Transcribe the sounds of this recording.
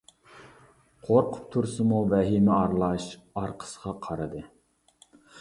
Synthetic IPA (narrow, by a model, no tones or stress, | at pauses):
qʰoɾqʰʊ̥p̚t̪ʰuɾsɨmuvɛɦimɪɑɾlˠɑʃɑɾqʰə̥sə̥ʁɑqʰɑɾɨd̪ɨ